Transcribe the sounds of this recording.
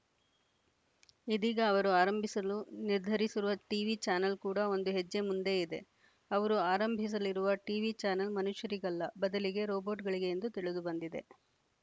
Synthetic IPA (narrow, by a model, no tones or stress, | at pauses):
id̪iːɡɐːʋɐɾuaːɾɐmbʱisɐluniɾd̪ʱɐɾisiɾuʋɐʈiːʋit͡ʃaːnɐlkuːɽɐo̞nd̪uɦed͡ʒːe̞mund̪e̞ːid̪e̞̰ | ɐʋɐɾuaːɾɐmbʱis̬ɐliɾuʋɐʈiːʋit͡ʃaːnɐlmɐnuʃjɐɾiɡɐlːɐbɐd̪ɐliɡe̞ɾoːboːʈɡɐɭiɡe̞ːnd̪ut̪iɭid̪ubɐnd̪id̪e̞̰